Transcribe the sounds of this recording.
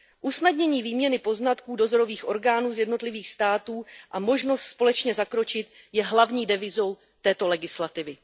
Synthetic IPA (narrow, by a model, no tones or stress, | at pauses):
ʔusnadɲɛɲiːviːmɲɛnɪpo̞znat̪kuːdo̞zo̞ɾo̞viːxʔo̞ɾɡaːnuːzjɛdno̞t̪lɪviːxst̪aːt̪uːʔamo̞ʒno̞st̪spo̞lɛt͡ʃɲɛzakɾo̞t͡ʃɪt̪̚ | jɛɦlavɲiːdɛvɪzo̞w | t̪ɛːt̪o̞lɛɡɪslat̪ɪvɪ